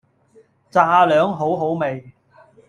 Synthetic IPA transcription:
t͡saː˧lœː˨˥ŋɦo˨˥wɦo˨˥wme˨j

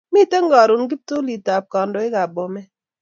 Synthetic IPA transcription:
mi˦te˦ŋɡɔ˨ɾu˨nɡi˦p̚to˦li˨ta˨p̚kɔ˨ndo˨ɪ˦ka˨bɔ˨mɛ˦

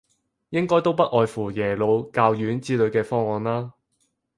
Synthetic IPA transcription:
jɪ˥ŋkɔː˥jt̪o˥wp̬ɐ˥t̚ʔɔː˨jfuː˨˩jɛː˨˩lo˨˧wkaː˧wjyː˨˥nt͡siː˥lɵ˨˧ɥkɛː˧fɔː˥ŋɔː˨˧nlaː˥

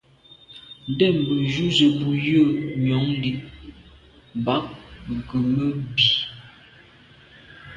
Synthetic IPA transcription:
n̩˦dɛ˦˨m˨bə˨d͡ʒu˦zə˨bu˨jə˦˨ɲɔ˨˦ŋli˦ | m˨ba˨˦k̚ɡə˨mə˦bi˨

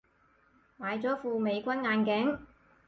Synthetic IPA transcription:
maː˨˧jt͡sɔː˨˥fuː˧me˨˧jkʷɐ˥nŋaː˧nkɛ˨˥ŋ

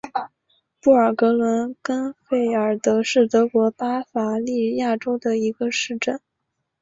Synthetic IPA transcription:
pu˥˩ə˞˨˩kɤ˧˥lwə˧˥nkə˥nfe˥˩ɪə˞˨˩t̪ɤ˧˥ʂɻ̩˥˩t̪ɤ˧˥kwɔ˧˥pa˥fa˨˧˩li˥˧ja˥˩ʈ͡ʂo˥ʊd̪ə˨i˧˥ɡə˧ʂɻ̩˥˧ʈ͡ʂə˥˩n

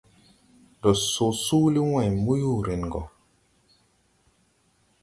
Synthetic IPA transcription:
dɔ˨so˨su˦li˦wɛ̃˨mu˦ju˦ɾi˨n˨ɡɔ̰˨

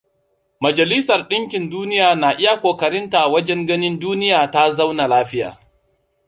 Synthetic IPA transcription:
mɐ˨d͡ʒɐ˨li˦sɐ˨rɗɪ˦ŋkʲɪ˨nduː˦nɪ˦jaː˨na˨ʔɪ˦ja˨kʷoː˨kɐ˨ɾɪ˦nta˨wɐ˦d͡ʒɛ˦ŋɡɐ˦nɪ˦nduː˦nɪ˦jaː˨ta˦za˦wna˨laː˦ɸɪ˦ja̰ː˨

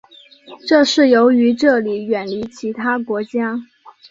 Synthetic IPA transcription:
ʈ͡ʂɤ˥˧ʂɻ̩˥˩jo˧˥ʊy˧˥ʈ͡ʂɤ˥˩li˨˩ɥɛ˨˩nli˧˥t͡ɕʰi˧˥t̪ʰa˥kwɔ˧˥t͡ɕja˥

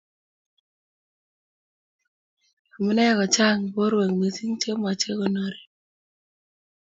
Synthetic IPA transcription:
a˨mɔ˦nɛ˦kɔ˨t͡ʃa˦˨ŋbo˦ɾwe˨ŋme˨si˦ŋt͡ʃe˦m˨a˨t͡ʃe˦ko˦no˨ɾi˨

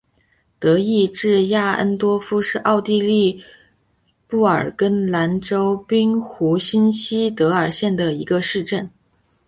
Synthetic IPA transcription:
t̪ɤ˧˥i˥˧ʈ͡ʂɻ̩˥˧ja˥˩ə̰˥nt̪wɔ˥fu˥ʂɻ̩˥˧ʔɑ˥˧ʊt̪i˥˧li˥˧ | pu˥˩ə̰˞˨˩kə˥nla˧˥nʈ͡ʂo˥ʊpi˥ŋxu˧˥ɕi˥nɕi˥t̪ɤ˧˥ə˞˨˩ɕjɛ˥˩nd̪ə˩i˧˥ɡə˧ʂɻ̩˥˧ʈ͡ʂə˥˩n

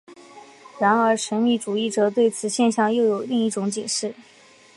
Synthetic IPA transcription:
ɻa˧˥nə˞˧˥ʂə˧˥nmi˥˩ʈ͡ʂu˨˩i˥˩ʈ͡ʂɤ˧˩˥t̪we˥˩ɪt͡sʰɹ̩˨˩ɕjɛ˥˧nɕjɑ˥˧ŋjo˥˩ʊjo˨˩ʊli˥˧ŋi˥˩ʈ͡ʂʊ˧˥ŋt͡ɕjɛ˨˩ʂɻ̩˥˩

